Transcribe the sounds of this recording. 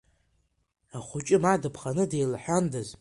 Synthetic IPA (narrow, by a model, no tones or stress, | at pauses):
aχʷʊt͡ʃʼɪmadɨpʰχanɨdejlħʷᶣandaz